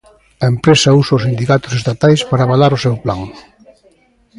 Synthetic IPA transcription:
ɐempɾesɐusɐʊsind̪ikat̪ʊ̥sest̪at̪ajspaɾaːβalaɾʊsewplaŋ

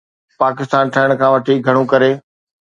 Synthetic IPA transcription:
paːkɪst̪aːnʈʰɐəɽ̃kʰãʋɐʈʰiɡʱɐɽ̃ũkɐɾeː

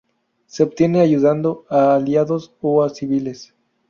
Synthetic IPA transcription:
se̞obt̪je̞neaʝuðand̪o̞aːljaðosoasiβile̞s

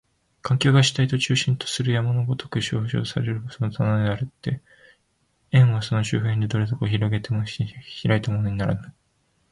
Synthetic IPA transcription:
kʰãŋkʲo̞ːɡaɕi̥t̪ait̪o̞t͡ɕɨːɕĩnt̪o̥sɨɾɯ̟jamanoɡo̞t̪o̞kɯ̟ɕo̰ːɕo̰ːsaɾe̞ɾɯ̟bo̥sonot̪ʰanad̪eaɾɯ̟t̪ːe̞ | ẽ̞ɰ̃βaso̞no̞ɕɨːɸɯeɲʲd̪ed̪o̞ɾe̞d̪o̞koçiɾo̞ɡe̞t̪emoɕçiɾait̪amo̞no̞ɲ̟inaɾa̰nai

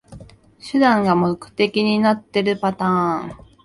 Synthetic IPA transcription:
ɕɨd̪ãŋɡamokɯ̟̥t̪e̞kʲiɲ̟inat̪ːe̞ɾɯ̟pat̪ãːŋ

